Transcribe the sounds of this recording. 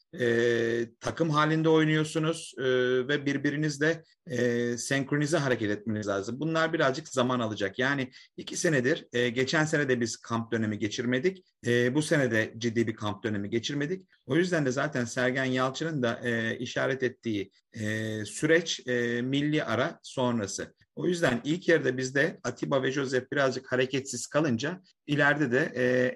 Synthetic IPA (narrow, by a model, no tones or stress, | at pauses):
ɛːt̪ʰakʰɯmɦaːlʲind̪ɛo̞jnujo̞ɾsunuz̥ːvɛbiɾbiɾinizd̪ɛ | sɛŋkɾo̞niziɦaɾecɛt̪ɛt̪̚me̞nʲizlʲaːzɯmbunlˠaɾbiɾazd͡ʒɯkzamanalˠɯd͡ʒakjaːnɪicʰise̞nɛd̪iɾɟe̞t͡ʃʰæns̬e̞nɛd̪ɛbiz̥kʰamp̚d̪ø̞ne̞miɟe̞t͡ʃʰiɾme̞d̪ic | ɛːbuse̞nɛd̪ɛd͡ʒid̪ːiːbikʰamp̚d̪ø̞ne̞miɟe̞t͡ʃʰiɾme̞d̪ic | o̞jyzd̪ænd̪ɛzaːt̪ʰænsæɾɟænjalˠt͡ʃʰɯnɯnd̪aʔiʃaːɾɛt̪ɛt̪ʰːiː | syɾɛt͡ʃːmilʲːiʔaɾaso̞nɾasɯ̰ | o̞jyzd̪ænilʲcʰjeɾd̪ɛbizd̪ɛat̪ʰibavɛʒo̞zɛfbiɾazd͡ʒɯkhaɾecʰɛt̪siz̥kʰalˠɯnd͡ʒa | ilʲæɾd̪ɛd̪ɛʔː